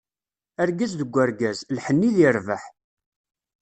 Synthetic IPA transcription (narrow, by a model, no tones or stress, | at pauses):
æɾɡæzðəɡʷːəɾɡæzlħənːiðiɾvəħ